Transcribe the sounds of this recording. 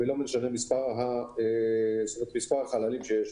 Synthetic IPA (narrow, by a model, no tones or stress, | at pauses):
elomeʃanemispaʁɦaest̪omet̪mispaʁaχalalimʃejeʃ